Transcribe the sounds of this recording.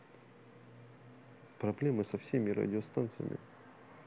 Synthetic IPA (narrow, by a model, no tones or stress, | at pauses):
pɾɐblʲemɨsɐfsʲemʲɪɾɐ̰dʲɪost̪ant̪sɨjə̰mʲɪ̰